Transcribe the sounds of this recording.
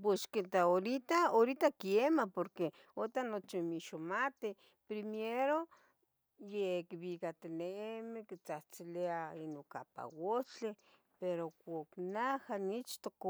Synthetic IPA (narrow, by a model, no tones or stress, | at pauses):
pweʃkent̪aoɾit̪aoɾit̪akiemapoɾke | ot̪anot͡ʃimiʃomat̪e | pɾimeɾo | jekβikat̪ineemikit͡saht͡sileainoka̰pa̰wot͡ɬe | peɾokʷaknahanit͡ʃt̪ok